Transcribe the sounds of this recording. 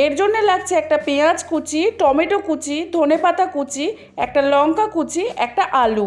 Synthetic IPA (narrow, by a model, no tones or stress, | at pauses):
eɾd͡ʑonːelaɡ̚t͡ɕʰeɛk̚ʈapead͡ʑkut͡ɕiʈɔmeʈokut͡ɕʰid̪ʱonepat̪akut͡ɕi | ɛk̚ʈalɔŋkakut͡ɕʰiɛk̚ʈaʔalu